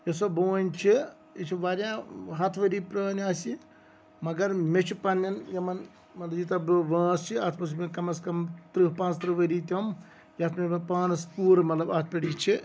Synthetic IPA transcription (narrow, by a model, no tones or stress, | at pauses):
jɐsoboːnʲt͡ʃʰi | it͡ʃʰiʋaɾjãːɦɐt̪ʰʋɐɾiːpɾɐːnaːsi | mɐɡɐɾmʲet͡ʃʰipɐnːɐnjɐmɐn | mɐt̪lɐbjit̪ɐbʋãːst͡ʃʰiɐt̪ʰmɐs̬mekɐmɐskɐmt̪ɾɨɦpãːnst̪ɾɨʋɐɾiːt̪ʲɐm | jɐt̪ʰmempãːnspuːɾmɐt̪lɐbɐt̪̚ʰpʲeɽiːt͡ʃʰi